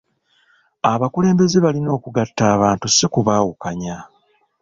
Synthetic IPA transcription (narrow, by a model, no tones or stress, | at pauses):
aβakule̞ːmbe̞ze̞βalino̞ːkuɡatːaːβaːntusikuβaːwukaɲa